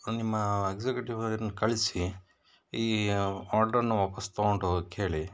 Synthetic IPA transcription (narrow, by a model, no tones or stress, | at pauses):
nimːɐeɡd͡ʒekjuʈiʋɐɐnukɐɭisi | iːaːɾɖɐɾnuʋaːpɐst̪ɐoɳɖukeːɭi